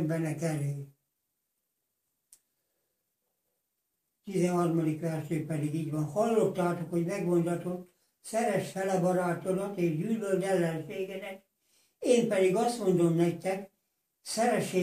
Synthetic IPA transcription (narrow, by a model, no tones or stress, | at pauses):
mbɛnɛkɛleː | t̪izɛhɒrmɒd̪ikʋɛrʃeːpɛd̪iɡiːɟʋɒnhɒlːot̪ːaːt̪okho̞ɟmɛɡʋont̪ɒt̪ot̪ː | sɛɾɛʃfɛlɛbɒɾaːt̪oɾɒt̪eːʒɟyːløld̪ɛlːɛnʃeːɡɛnɛk | eːmpɛd̪iɡɒst̪mo̞nd̪o̞mnɛkt̪ɛk | sɛɾɛʃːeː